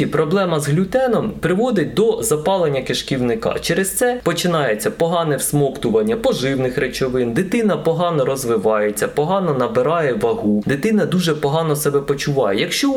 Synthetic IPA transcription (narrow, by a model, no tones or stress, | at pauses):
ipɾɔblˠɛmɐzɦlʲut̪ɛnɔmpɾɪʋɔd̪ɪt̚ʲd̪ɔzɐpɑlˠenʲːɐkeʃkʲiwnɪkɑ̰t͡ʃɛɾest̪sɛpɔt͡ʃɪnɑjet͡sʲːɐpɔɦɑnɛwsmɔkt̪ʊʋɐnʲːɐpɔʒɪwnɪxɾet͡ʃɔʋɪnd̪ɪt̪ɪnɐpɔɦɑnɔɾɔzʋɪʋɑjet͡sʲːɐpɔɦɑnɔnɐbɪɾɑjɛʋɐɦud̪ɪt̪ɪnɐd̪uʒɛpɔɦɑnɔsɛbɛpɔt͡ʃʊʋɑjɛjɐkʃt͡ʃɔ